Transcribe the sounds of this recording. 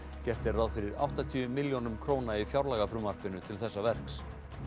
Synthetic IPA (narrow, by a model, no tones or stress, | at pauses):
cɛr̥t̪ɪɾrːawðfɪɾɪɾa̰wht̪at̪ʰiʏmɪljownʏmkʰɾoːwnaifjawɾlaɣafɾʏmvaɾ̥pɪnʏt̪ʰɪlθɛsːavɛr̥ks